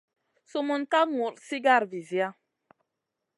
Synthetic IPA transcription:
su˦mu˦nka˦ŋu˨ɾsi˦ɡa˦˨ɾvi˨zja˦

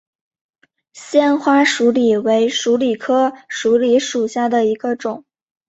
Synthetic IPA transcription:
ɕjɛ˥˧nxwa˥ʂu˧˥li˨˩we˧˥ɪʂu˧˥li˨˩kʰɤ˥ʂu˧˥li˧˥ʂu˨˩ɕja˥˩d̪ə˩i˧˥ɡə˧ʈ͡ʂʊ˨˩˦ŋ

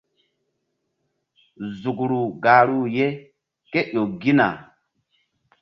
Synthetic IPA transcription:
zu˨kɾu˨ɡa˨ɾu˦je˦ | ke˦ɗo˨ɡi˦na̰˨

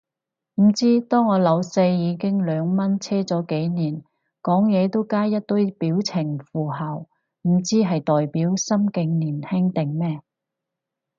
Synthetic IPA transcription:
m̩˨˩t͡siː˥t̪ɔː˥ŋːɔː˨˧lɐ˨˧wse˧jjiː˨˧kɪ˥ŋlœː˨˧ŋmɐ˥nt͡sʰɛː˥t͡sɔː˨˥ke˨˥jniː˨˩n | kɔː˨˥ŋjɛː˨˧t̪o˥wkaː˥jjɐ˥t̚t̪ɵ˥jpiː˨˥wt͡sʰɪ˨˩ŋfuː˨˩ɦa˨˩w | m̩˨˩t͡siː˥ɦɐ˨jt̪ɔː˨jpiː˨˥wsɐ˥mkɪ˨˧ŋniː˨˩nhɛ˥ŋt̪ɪ˨ŋmɛː˥

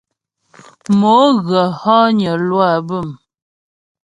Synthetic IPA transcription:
mo˨˦ɣə˨hɔ˦ɲə˨lwa˦˨bə˦˨m

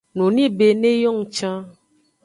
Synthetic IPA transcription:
nũ˨nĩ˦be˨nẽ˦jɔ˦ŋ̩̃˨t͡ʃã˦

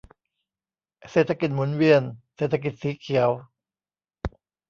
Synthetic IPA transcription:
seː˨˩t̪ʰːa˧ki˨˩t̪̚mu˩˦nwi˧ənseː˨˩t̪ʰa˧˥ki˨˩t̪̚siː˨˦kʰi˩˦əw

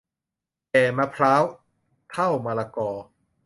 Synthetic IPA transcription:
tɛː˨˩maː˧pʰɾaː˦˥w | t̪ʰa˥˩wmaː˧laː˧kɔː˧

